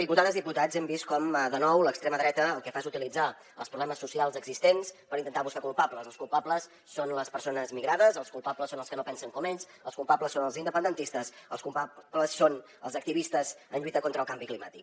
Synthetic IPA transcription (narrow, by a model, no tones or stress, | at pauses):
ik̬ulˠt̪aðəzðiput̪azɛmbist̪̚kɔmðənɔwləkst̪ɾeməðɾɛt̪əːlˠkɛfaezut̪ilid͡za | əlˠspɾuβlɛməsːusialˠzəɡzist̪enspəɾint̪ənt̪aβuskakulˠpapləzəlˠskulˠpapləsːonləspəɾsonəzmiɣɾaðəzəlˠskulˠpapləsːonəlˠskənopɛnsəŋkɔmeʎs | əlˠskulˠpapləsːonəlˠzind̪əpənd̪ənt̪ist̪əsəlˠskulpapləsːon | əlˠzək̚t̪iβist̪əzənʎuit̪əkont̪ɾəlˠkambiklima̰t̪ik